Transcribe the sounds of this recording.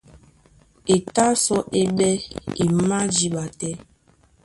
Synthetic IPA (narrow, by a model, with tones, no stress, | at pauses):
e˨ta˦sɔ˦ʔe˦ɓɛ˦i˨˦ma˦d͡ʒi˨˦ɓa˨tɛ˦